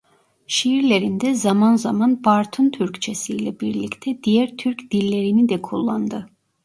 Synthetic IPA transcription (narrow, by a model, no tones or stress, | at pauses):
ʃiiɾlʲeɾind̪ɛzɑmɑnzamɑnbɑɾt̪ʰunt̪ʰyɾct͡ʃʰɛsijlʲɛbiɾlʲict̪ʰɛd̪ijæɾt̪ʰyɾcd̪̥ilʲːeɾinid̪ɛkʰulˠːɑnd̪ɯ